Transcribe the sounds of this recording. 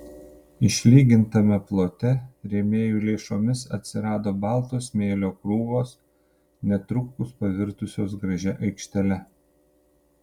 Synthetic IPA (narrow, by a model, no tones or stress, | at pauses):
ɪʃʲlʲiːɡʲɪnt̪ɐmʲɛplˠoːt̪ʲɛɾʲɛmʲeːjuːlʲeːʃoːmʲɪsɐ̰t̪ʲsʲɪɾɑːd̪oːbɑːˑlˠt̪oːsmʲeːlʲoːkɾuːʋoːs | nʲɛt̪ɾʊkʊspɐʋʲɪɾt̪ʊsʲoːs̬ɡɾɐʒʲɛʔɐɪkʃʲt̪ʲɛlʲɛ